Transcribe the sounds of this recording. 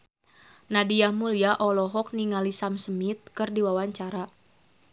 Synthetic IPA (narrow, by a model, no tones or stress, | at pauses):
nadiahmuliaʔɔlɔɦɔk̚niŋalisamsəmit̪̚kərdiwawaɲt͡ʃaɾa